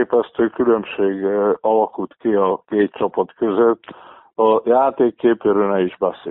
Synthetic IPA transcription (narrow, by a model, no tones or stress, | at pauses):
pɛst̪øːkylømʃeːɡɒlɒkult̪kiɒkeːt̪t͡ʃɒpɒt̪køzøt̪ː | ɒjaːt̪eːkːeːpøːɾøːnɛiʒbɛsḛː